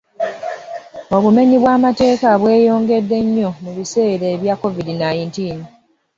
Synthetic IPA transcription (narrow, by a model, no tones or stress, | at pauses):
o̞βume̞ɲiβwaːmate̞ːkaβwe̞ːjo̞ːŋɡe̞dːe̞ɲːo̞muβise̞ːɾeːβjakːo̞vidinajintiːn